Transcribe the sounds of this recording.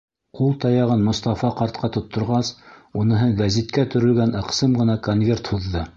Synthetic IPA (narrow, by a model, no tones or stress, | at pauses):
qulˠt̪ɑjɑʁɤnmŏst̪ɑfɑqɑɾt̪qʰɑt̪ŏt̪ʰːŏɾʁɑsunɤ̆ɦɤɴɡæzit̪kæt̪ɵ̆ɾɵ̆lɡænɤ̆qsɤmʁɤ̆nɑkonvʲe̞rt̪huðːɤ